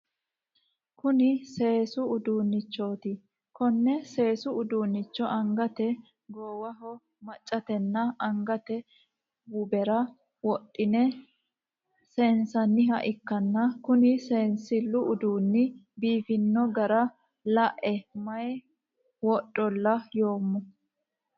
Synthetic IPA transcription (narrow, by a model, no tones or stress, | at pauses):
kʊnɪse̞ːsʊʊd̪uːnːɪt͡ʃːoːt̪ɪ | kɔnːɛse̞ːsʊʊd̪uːnːɪt͡ʃːɔʔɐŋɡɐt̪ɛ | ɡoːwɐɦɔ | mɐt͡ʃʼːɐt̪ɛnːɐɐŋɡɐt̪ɛ | bʊbɛɾɐ | wɔɗːɪnɛ | sɛnsɐnːɪɦɐʔɪkːɐnːɐkʊnɪseːnsɪlːʊʊd̪uːnːɪbiːfɪnːɔɡɐɾɐ | lɐʔɛmɐj | wɔɗʼːɔlːɐjo̞ːmːʊ